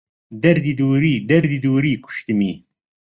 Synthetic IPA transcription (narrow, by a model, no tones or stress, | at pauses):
d̪ɐɾd̪id̪uɾid̪ɐɾd̪id̪uːɾikʷʊ̥ʃt̪əmi